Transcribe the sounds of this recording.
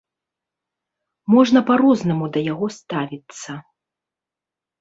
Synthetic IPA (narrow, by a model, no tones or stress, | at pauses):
mɔʐnɐpaɾɔznɐmud̪ɐjaɣɔst̪avʲit̪sːɐ